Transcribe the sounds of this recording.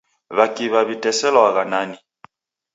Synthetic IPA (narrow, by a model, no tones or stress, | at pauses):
βakiβaβitɛsɛlɔaɣanani